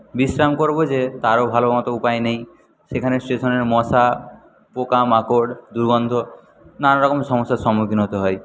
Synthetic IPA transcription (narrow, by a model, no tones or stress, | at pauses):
bisɾamkoɾbod͡ʑet̪aɾobʱalobamat̪oupajnej | ʃekʰanesʈeʃɔneɾmɔsa | pokamakoɖd̪uɾɡɔnd̪ʱo | nanaɾɔkomʃɔmɔsasɔmukʰinɦot̪eɦɔj